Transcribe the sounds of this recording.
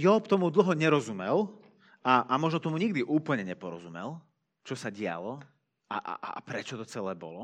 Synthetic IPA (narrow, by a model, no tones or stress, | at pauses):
jɔpt̪ɔmud̪l̩ɦɔɲɛɾɔzumɛl | aʔamɔʒnɔt̪ɔmuɲiɡ̚d̪iʔuːpl̩ɲɛɲɛpɔɾɔ̰zumɛlˠ | t͡ʃɔsaɟɪa̰lɔ | a̰ʔa̰ʔpɾɛt͡ʃɔt̪ɔt͡sɛlɛːbɔ̰lɔ